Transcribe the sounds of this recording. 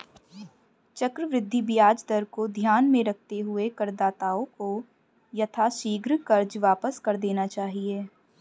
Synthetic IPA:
t͡ʃɐkɾəʋɾɪd̪ʱːibɪjaːd͡ʒd̪əɾkod̪ʱjaːnmẽɾɐk̚ʰt̪eɦʊekɐɾd̪aːt̪aːõko | jɐt̪ʰaʃiːɡɾkɐɾd͡ʒʋaːpəskɐɾd̪eːnat͡ʃaːɦieː

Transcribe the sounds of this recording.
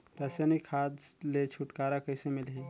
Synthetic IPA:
ɾəsanikkʰːad̪let͡ʃʰuʈkaɾakəɪsemilɦi

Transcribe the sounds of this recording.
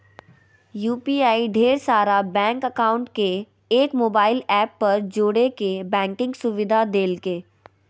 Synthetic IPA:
juːpiaːiɖʱeːɾsaːɾabɛ̃ːŋkəkaːʊ̃ɳʈke | eːkmoːbaːɪlɛːpːɐɾd͡ʒoːɽekebɛ̃ːŋkɪ̃ŋɡsʊʋɪd̪ʱad̪eːlkeː

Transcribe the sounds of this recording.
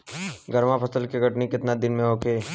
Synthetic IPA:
ɡəɾmãpʰɐsəlkiɡʱɐʈnikɪt̪nad̪ɪnmẽɦoːkʰeː

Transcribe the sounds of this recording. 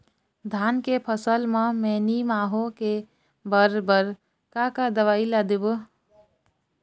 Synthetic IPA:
d̪ʱankepʰəsəlmə̃menimaːɦoke | bəɾbəɾ | kakad̪əʋailad̪eb

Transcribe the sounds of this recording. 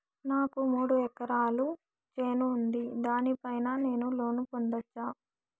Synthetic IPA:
naːkumuːɽuɛkɐɾaːlu | t͡ʃe̞ːnuːnd̪id̪aːnipɐjnane̞ːnulo̞ːnupond̪ɐt͡ʃːaː

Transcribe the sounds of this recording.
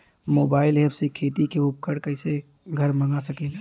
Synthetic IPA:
moːbaːɪlɛːbsekʰeːt̪ikeup̚kəɽkəɪse | ɡʱəɾməŋɡasəkel

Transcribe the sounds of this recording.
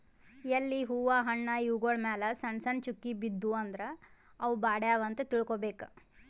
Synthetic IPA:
jɐlːiɦuːʋaːɦɐɳːɐiʋɡoːɭmɛːlɐsɐɳsɐɳt͡ʃukːibid̪ːuɐnd̪ɐɾe | ɐʋubaːɽjaːʋɐnt̪ɐt̪iɭkoːbeːkɐ

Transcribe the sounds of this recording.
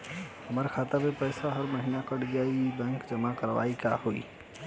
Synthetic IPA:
həmaɾkʰaːt̪amẽpəɪsaɦəɾməɦinakəɽɡjaːibɛ̃ːŋkd͡ʒəmakəɾʋa̰ːikahoḭː

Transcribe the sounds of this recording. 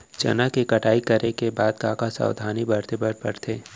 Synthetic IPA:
t͡ʃɐ̰nakekɐʈaːikɐɾekebaːd̪kaːkasa̰ːwd̪ʱaːnibɐɾt̪ebəɾpəɾt̪ʰeː

